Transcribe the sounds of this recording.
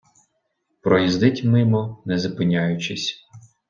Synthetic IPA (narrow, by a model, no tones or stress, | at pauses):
pɾɔjizd̪ɪtʲmɪmɔnɛzɐpɪnʲajʊt͡ʃɪsʲ